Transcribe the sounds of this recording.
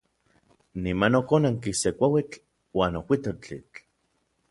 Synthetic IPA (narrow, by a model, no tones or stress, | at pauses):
nimanokonaŋkisekʷawit͡ɬ | waːnokʷit̪ot͡ɬḭt͡ɬ